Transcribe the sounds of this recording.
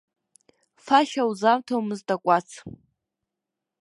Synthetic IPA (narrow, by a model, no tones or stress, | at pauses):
faʃawzamtʰowmɨztʼakʷʼat͡sʰ